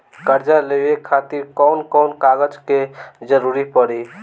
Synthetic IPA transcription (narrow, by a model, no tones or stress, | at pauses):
kəɾd͡ʒalewekʰat̪iɾkɔwnkɔwnkaɡəd͡ʒked͡ʒəɾuɾipəɽi